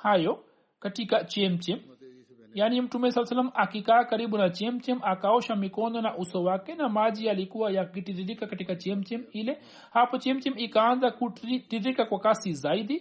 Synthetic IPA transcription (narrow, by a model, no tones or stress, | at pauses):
hajɔ | katikat͡ʃɛm̩t͡ʃɛm | jaːnim̩tumɛsalasalamʔakikaːkaɾiɓunat͡ʃɛm̩t͡ʃɛmakaɔʃamikɔnɔnaʔusɔwakɛnamaʄialikuwajakkitiɾiɾikakatikat͡ʃɛm̩t͡ʃɛmilɛ | hapɔt͡ʃɛmt͡ʃɛmikaanzakutiɾikakwakasizaiɗi